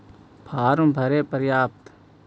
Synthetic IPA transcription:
pʰaːɾũmbʱəɾeːpəɾjaːp̚t̪

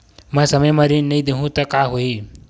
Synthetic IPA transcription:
mʌ̃sʌməjmaɾinəjd̪eɦũt̪ʌkaɦoi

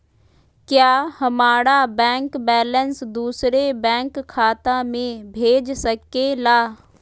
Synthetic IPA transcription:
kjaːhɐmaːɾabɛ̃ːŋkbɛːlənsd̪uːsɾebɛ̃ːŋkʰːaːt̪ãmẽbʱeːd͡ʒsəkːelaː

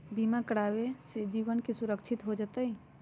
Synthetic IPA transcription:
bimakəɽaːwesed͡ʒiːʋənkesuɾəkt͡ʃʰɪt̪ɦod͡ʒət̪əi

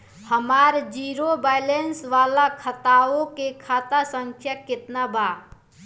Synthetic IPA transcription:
həmaɾd͡ʒiɾobajlensʋalakʰət̪aokekʰat̪asəŋkʰjakɪt̪naba

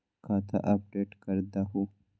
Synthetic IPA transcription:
kat̪ʰɐ̰ʔɐp̚ɖeʈkɐɾd̪ɐɦu

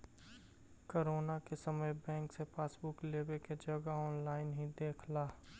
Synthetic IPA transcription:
koɾoːnakesəməjbɛ̃ːŋksepaːsbʊkleːbeked͡ʒɐɡaɔːnlaːɪnɦĩd̪eːkʰlaː

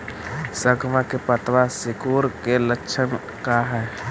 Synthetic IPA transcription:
səɡʋakepət̪ʋasɪkuːɾkelətːʃʰən | kaɦɛ

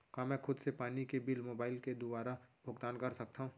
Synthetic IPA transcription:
kaːmɛ̃ːkʰʊd̪sepaːnikebɪlmoːbaːɪlked̪obaːɾabʱʊɡt̪aːnkɐɾsɐk̚t̪aɦũː

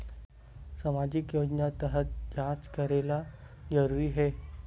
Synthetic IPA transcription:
səmad͡ʑikjod͡ʑnat̪əɦət̪̚d͡ʑad͡zkəɾela | d͡zəɾuɾiːɦe

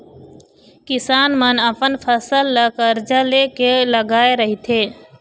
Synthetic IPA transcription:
kɪsaːnmənəpənpʰəsəlːəkəɾd͡ʒəlekeləɡaːeɾəɦit̪ʰeː

